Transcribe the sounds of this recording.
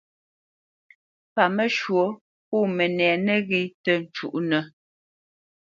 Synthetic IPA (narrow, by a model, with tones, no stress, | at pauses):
pa˨mə˦ʃwo˨˦ | puː˦˨mɛ˨nɛː˨nɛ˦ɣi˦tə˨n̩˨t͡ʃṵ˨ʔnə˨